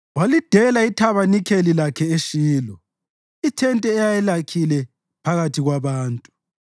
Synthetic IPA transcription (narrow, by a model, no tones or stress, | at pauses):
walid̥ʱɛlaitʰaβanikʰelilakʰɛeʃiːlɔ | itʰɛntʼɛɛjajɛlakʰilɛ | pʰaɣatʰiɣwaβaːntʼu̥